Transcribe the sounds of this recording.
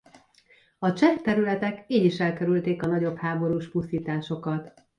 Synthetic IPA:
ɒt͡ʃɛkt̪ɛɾylɛt̪ɛkiːɟiʃɛlkɛɾylt̪eːkɒnɒɟo̞phaːbo̞ɾuːʃpust̪iːt̪aːʃo̞kɒt̪

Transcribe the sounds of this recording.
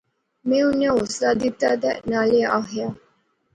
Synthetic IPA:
mẽʊnjaoslad̪it̪ːad̪ɛnaleaɦja

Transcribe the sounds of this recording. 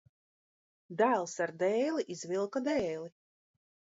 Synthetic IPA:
d̪ælˠsaɾd̪ɛːliʔizvilˠkad̪ɛːlˠi

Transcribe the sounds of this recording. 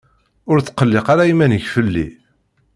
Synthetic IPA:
ʊɾt͡sːqəlːɪqaɾæjimænəʝfəlːḭ

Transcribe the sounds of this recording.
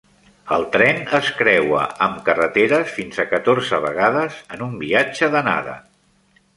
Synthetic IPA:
əlˠt̪ɾɛnəskɾɛwə̰əmkərət̪eɾəsfinzəkət̪orzəβəɣaðəzənumbiad͡ʒəðəna̰ðə̰

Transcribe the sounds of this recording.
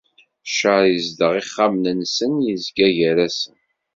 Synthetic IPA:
ʃəɾjəzd̪əʁiχːamnənsənjizɡæʝæɾæsən

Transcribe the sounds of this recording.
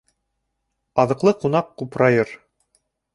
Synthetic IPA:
ɑðɤ̆qlˠɤqunɑqːupɾɑjɤɾ

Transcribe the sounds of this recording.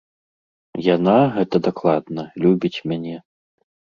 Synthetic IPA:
janaɣɛt̪ɐd̪aklˠad̪nɐlʲubʲit͡sʲmʲanʲɛ

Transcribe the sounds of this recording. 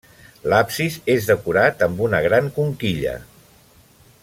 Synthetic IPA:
lapsizezðəkuɾat̪əmbunəɣ̞ɾaŋkuŋkiʎə̰

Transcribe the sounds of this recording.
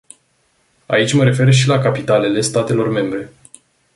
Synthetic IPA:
a̰it͡ʃʲməɾe̞fe̞rʃ̬ilakapit̪ale̞le̞st̪at̪e̞lo̞rme̞mbɾe̞

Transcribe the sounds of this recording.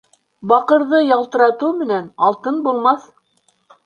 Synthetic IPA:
bɑqɤ̆ɾðɤjɑlˠt̪ɤ̆ɾɑt̪ɤwmɘ̆nænɑlˠt̪ɤnbulˠmɑθ

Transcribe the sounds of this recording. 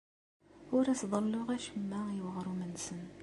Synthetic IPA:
ʊɾæsðˤəlːʊʁæʃəmːæwəʁɾumənsən

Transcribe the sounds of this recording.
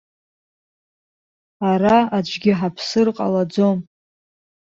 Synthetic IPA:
aɾaad͡ʒʷʰʼɡʲɪħapʰsɨrqʼa̰lad͡zo̞m

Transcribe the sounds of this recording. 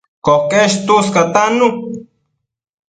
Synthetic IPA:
kokeʃt̪uskat̪anu

